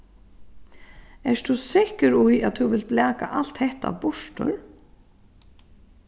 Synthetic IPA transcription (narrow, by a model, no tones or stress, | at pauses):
ɛst̪ʰusɪhkəɾujaðt̪ʰuvɪlt̪̚blɛːka̰ʔal̥t̪hɛht̪a̰vbʊʂt̪ʊ̰ɾ